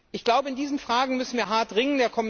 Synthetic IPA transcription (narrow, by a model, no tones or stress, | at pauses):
ʔɪçɡ̥laʊbəɪndiːzn̩fʁ̥aːɡŋ̩mʏsn̩viːɐɦaɐtʁɪŋəndeːɐkʰɔm